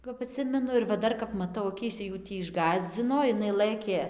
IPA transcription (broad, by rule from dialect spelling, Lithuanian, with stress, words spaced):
kɐp ɐˈtʲsʲɪmʲɛnʊ ɪr ʋɐ ˈdɐr kɐp mɐˈtɐʊ ɐˈkʲiːsʲɛ juː ˈtʲiː ɪʒˈɡɑːzʲd͡zʲɪnoː ɪˈnɐɪ ˈlˠɘkʲeː